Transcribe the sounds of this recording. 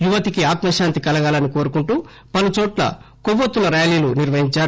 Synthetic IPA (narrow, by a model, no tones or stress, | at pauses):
juʋɐt̪ikiaːt̪mɐʃaːnt̪ikɐlɐɡaːlɐniko̞ːɾukuɳʈuː | pɐlut͡ʃoːʈlɐ̰koʋot̪ːunɐɾjaːliːluniɾʋɐɦiɲt͡ʃaː